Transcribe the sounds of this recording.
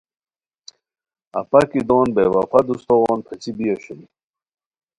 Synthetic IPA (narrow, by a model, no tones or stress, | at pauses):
ɐ̰pɐkid̪oːnbewɐfɐd̪ust̪oʁɔːnpʰet͡ɕibijeɕuni